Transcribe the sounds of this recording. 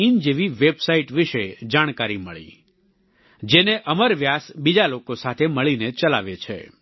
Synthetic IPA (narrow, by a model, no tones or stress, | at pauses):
ind͡ʒeʋiʋebsaiʈʋiʃed͡ʒaɽ̃kaɾiməɭḭ | d͡ʒeneʔəməɾʋjasbid͡ʒalokosat̪ʰeməɭinet͡ʃəla̰ʋet͡ʃʰḛ